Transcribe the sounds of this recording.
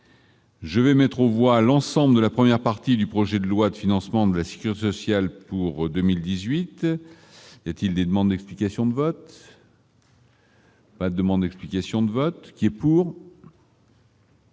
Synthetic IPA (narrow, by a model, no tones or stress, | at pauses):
ʒəvɛmɛt̪χovwalɑ̃sɑ̃bləd̪əlapχəmjɛʁpaʁt̪id̪ypχɔʒɛd̪əlwad̪əfinɑ̃smɑ̃d̪əlase̥kʲyʁit̪esɔsjalpuʁd̪əmild̪izɥit̪ | iljat̪ild̪ed̪əmɑ̃d̪d̪ɛksplikasjɔ̃d̪əvɔt̪ | pad̪əd̪əmɑ̃d̪d̪ɛksplikʲasjɔ̃d̪əvɔt̪kʲiɛpuːʁ